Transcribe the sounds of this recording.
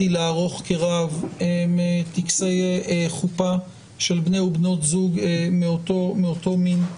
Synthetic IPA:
ileaʁo̞χkeʁavemet̪iksejeeχupa | ʃelbneubno̞t̪zuɡmeotomeoto̞min

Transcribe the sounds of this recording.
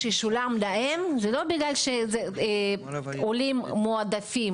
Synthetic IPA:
ʃeʃulamlaʔemzelo̞biɡlalʃeze | olimːoad̪afim

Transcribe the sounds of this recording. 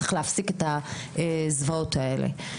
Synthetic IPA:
e̥χleafsiket̪aezvao̞t̪ae̞lḛ

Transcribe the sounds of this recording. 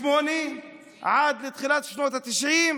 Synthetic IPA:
moːni | ʕaːd̪lɪt̪xɪlaːt̪ʃnoːt̪at̪ɪʃʕiːm

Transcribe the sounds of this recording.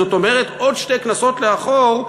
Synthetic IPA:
oto̞me̞ʁeto̞dʃte̞knaso̞tleaχo̞ʁ

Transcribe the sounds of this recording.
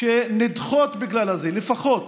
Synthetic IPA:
ʃenid̪χot̪biɡlalazelefaχo̞t̪

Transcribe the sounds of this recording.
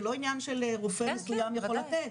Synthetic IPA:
lo̞injanʃeleʁufemesujamjaχo̞lat̪et

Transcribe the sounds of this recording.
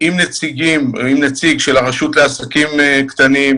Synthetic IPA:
imnet͡siɡim̰imnet͡siɡʃe̞laʁaʃutleasakimekt̪anim

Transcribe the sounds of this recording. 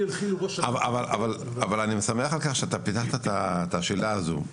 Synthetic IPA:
alχiluboʃavaa̰vala̰val | avalanimesameaχalkaχʃeat̪apit̪aχt̪at̪at̪aʃelaːzo̰

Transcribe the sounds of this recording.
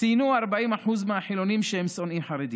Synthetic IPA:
t̪inuaɾbaʔimaħuzmeaħilo̞nimʃehemsonimħaɾed̪i

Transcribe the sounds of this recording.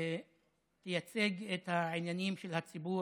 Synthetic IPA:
tejat͡se̞ɡet̪haʕinjanimʃelhat͡sibu

